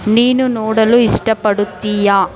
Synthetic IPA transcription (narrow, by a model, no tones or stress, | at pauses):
niːnunɔːɽɐluiʂʈɐpɐɽut̪ːijaː